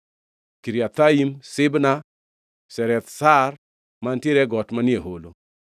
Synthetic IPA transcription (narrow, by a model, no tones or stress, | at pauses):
kiɾiat̪aimsɪbna | sɛɾɛt̪sar | manteɾɛɡɔtmanieɦolo